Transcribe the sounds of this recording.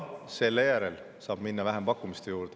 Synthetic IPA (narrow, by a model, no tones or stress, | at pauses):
se̞lːejæɾel | sɑːb̥minːɑvæɦempɑkːˑumist̪e̞juːɾd̪̥e